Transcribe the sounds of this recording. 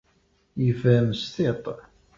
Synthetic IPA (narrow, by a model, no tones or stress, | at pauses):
jəvæmst̪et̪ˤ